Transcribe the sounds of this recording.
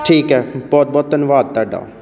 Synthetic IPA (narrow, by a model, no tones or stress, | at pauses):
ʈʰiːkɦɛːbɔːt̪̚bɔːt̪ːənʋaːd̪̚t̪əɖa̰ː